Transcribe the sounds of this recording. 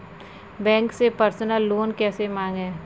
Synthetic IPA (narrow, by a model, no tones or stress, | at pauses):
bɛ̃ːŋksepəɾsnəlːoːnkɛːsemãːŋɡɦɛː